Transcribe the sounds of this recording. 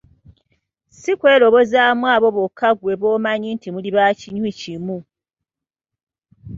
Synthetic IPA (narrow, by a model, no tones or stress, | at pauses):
sikwe̞ːlo̞βo̞zaːmwaːβo̞βokʰːaɡwe̞βo̞ːmaɲintimuliβaciɲwicimu